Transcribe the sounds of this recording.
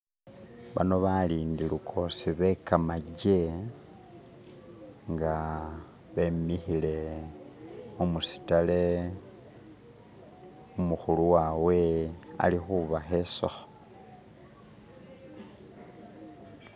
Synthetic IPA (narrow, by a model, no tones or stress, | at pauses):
βano̞βaliːndilukʰo̞siβe̞kamaɟe | ŋɡa | βe̞mixile̞ | omusi̥tale̞ | umuxuluwawe̞a̰lixuβaxeso̰xo̥